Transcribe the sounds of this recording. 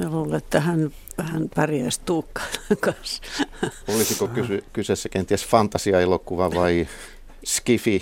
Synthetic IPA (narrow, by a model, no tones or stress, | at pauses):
sæluːlet̪ːæhæn | hænpærjæist̪uːkːɑ̥inɑŋkɑns | olisikokysykysesːækent̪iæsfɑnt̪ɑsiɑelokuʋɑʋɑi | skifi